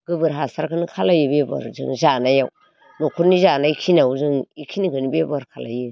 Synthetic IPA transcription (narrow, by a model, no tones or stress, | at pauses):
ɡ̥ɯbɯɾɦasaɾkʰɯnɯkʰalajɯbeba̰ɾzɯ̰ŋzanajaw | nokʰuɾnizanaikʰinawzɯŋikʰinikɯnibebaɾkʰala̰jɯ